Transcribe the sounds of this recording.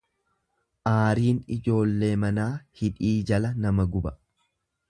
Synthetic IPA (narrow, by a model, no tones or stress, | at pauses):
ʔaːɾiːnɪd͡ʒo̞ːlːe̞ːmɐnaːhɪᶑiːd͡ʒɐlɐnɐmɐɡʊbɐ